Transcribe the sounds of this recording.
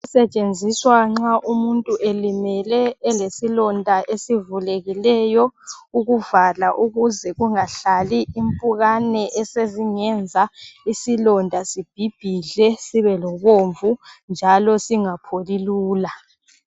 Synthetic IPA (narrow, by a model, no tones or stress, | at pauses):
usɛt͡ʃʼend͡zʱiswaŋ͡ǁaʔumuntʼuʔelimɛlɛːlesilɔndʱaʔesivuleɣilɛjɔuɣuvalaʔuɣuzɛɣuŋaɬaliimpʼuɣanɛʔɛseziŋɛnd͡zʱaisilɔndʱasib̥ʱib̥ʱiɮɛsiβɛlɔβoɱvund͡ʒʱalɔsiŋapʰoliluːla